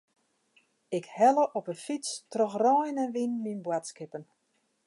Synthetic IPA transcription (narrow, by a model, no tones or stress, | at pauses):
ɪkhɛləʔɔpənfit͡strɔxrɔjnənʋinminbwatskɪpən